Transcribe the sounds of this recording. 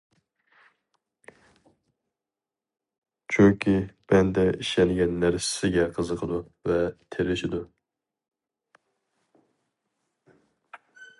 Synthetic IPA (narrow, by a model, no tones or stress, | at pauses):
t͡ʃʰyŋkʲʰib̥ɛnd̪ɛiʃɛnɪɡʲɛnːæɾsɪ̥sɪɡʲɛqʰəzəqʰəd̪u | vɛt̪ʰeɾɪʃɪd̪u